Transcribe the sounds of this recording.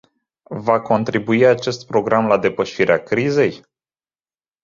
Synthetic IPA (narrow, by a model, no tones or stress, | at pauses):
vako̞nt̪ɾibuiat͡ʃe̞st̪pɾo̞ɡɾamlad̪e̞pəʃiɾeakɾize̞j